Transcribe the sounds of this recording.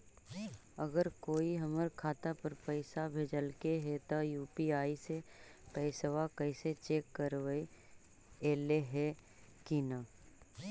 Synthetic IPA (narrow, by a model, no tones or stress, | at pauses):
əɡəɾkoːiɦɐməɾkʰaːt̪apəɾpəɪsabʱeːd͡ʒəlkeɦɛt̪ojuːpiaːisepɛɪsʋakəɪset͡ʃeːkːəɾʋəi | eːleɦɛ | kina